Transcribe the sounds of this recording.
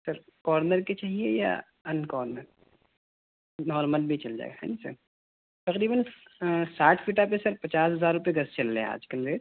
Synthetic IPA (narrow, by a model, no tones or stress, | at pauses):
sɐɾkɔːɾnəɾket͡ʃaːɦieja̰ | ɐnkɔːɾnəɾ | nɔːɾmə̃nd̪̚bʱit͡ʃɐld͡ʒa̰ːḛɡaɦɛ̰ːnisɐ̰ɾ | t̪ɐqɾiːbənsaːʈʰfiːʈap̬esɐɾpɐt͡ʃaːsɦɐzaːɾʊpeɡɐst͡ʃɐlːea̰ːd͡ʒkɐnɾeːt̪